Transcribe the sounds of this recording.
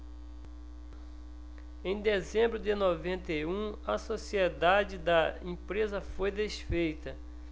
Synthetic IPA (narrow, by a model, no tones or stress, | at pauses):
ẽj̃d̪ezẽmbɾʊd̪ɪnovẽnt̪ejũɐsosiɛd̪ad͡ʒɪd̪ɐẽpɾezɐfojd̪esfejt̪ɐ